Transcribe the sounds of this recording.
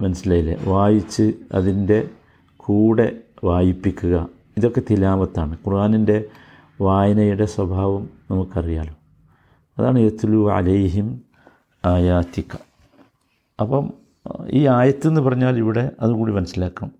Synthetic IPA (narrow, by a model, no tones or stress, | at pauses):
mɐnɐsilɐjilḛʋaːjit͡ɕːɨɐ̰ðinde̞ | kʰuːɽe̞ʋaːjipːikʲːuɣɐ | iðo̞kːe̞t̪ilaːʋɐt̪ːaːɳɨkurʔaːninde̞ | ʋaːjɐnɐjuɽe̞swɐbʱaːʋɐmnɐmukːɐrija̰ːlo | ɐðaːɳɨjɐt̪luːʕa̰lɐjɦim | aːjaːt̪ːikːɐ̥ | ɐpːɐm | iːaːjɐt̪ːɨenːɨpɐrɐɲːaːliʋiɽe̞ʔɐðukuːɽimɐnɐsːilaːkːɐɳɐm